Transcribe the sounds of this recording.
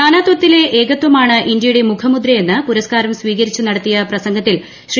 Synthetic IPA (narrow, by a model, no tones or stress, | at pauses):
aːnaːd̪wɐt̪ːile̞ʔeːɣɐt̪wɐmaːɳɨʔind̪jɐjuɽe̞mukʰɐmud̪ɾɐje̞nːɨpuɾɐskaːɾɐmsʋiːɣɐɾit͡ɕːunɐɽɐt̪ːijɐprɐsɐŋɡɐt̪ːil | ɕr